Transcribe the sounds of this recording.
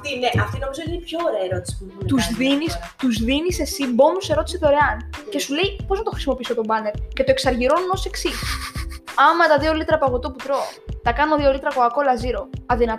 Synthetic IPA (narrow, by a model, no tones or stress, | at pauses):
t̪ineʔɐft̪ino̞mizot̪inipço̞ːɾeɐeɾo̞t̪i̥si̥put̪uzðinist̪uzðinise̞sibo̞nuse̞ɾo̞t̪i̥sit̪ooɾeɐnce̞sule̞jpo̞znɐt̪o̞xɾi̥simo̞pisot̪o̞bɐneɾce̞t̪oeksɐɾʝiɾo̞nuno̞se̞ksis | ɐmɐt̪ɐðio̞lit̪ɾɐpɐɣot̪o̞put̪ɾo̞t̪ɐkɐnoðio̞lit̪ɾɐkoɐko̞lɐziɾo̞ɐðinɐt̪